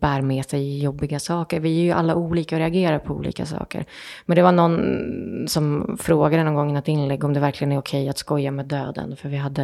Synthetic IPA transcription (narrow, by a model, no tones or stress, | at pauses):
b̥æːɾmɛːsɛjɪjɔbːɪɡasɑːkəɾvɪæɾjɵʔalːauːliːkaɔɾɛaɡeːɾapʰɔṵːlḭːka̰sɑ̰ːkə̰ɾmmɛnd̪ɛvaɳɔnː | sɔmfɾoːɡad̪ənɔmɡɔŋːənat̪ɪnːlɛɡːɔmd̪ɛvæɾklɪɡənæɾʊkʰɛjːat̪skɔjːamɛːd̪øːd̪ə̰nfœɾvɪɦad̪ːə